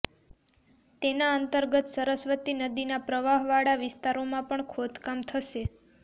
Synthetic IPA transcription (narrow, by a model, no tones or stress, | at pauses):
t̪enaənt̪əɾɡət̪səɾəsʋət̪inəd̪inapɾəʋaɦʋaɽaʋɪst̪aɾomãpəɳkʰod̪kamt̪ʰəʃe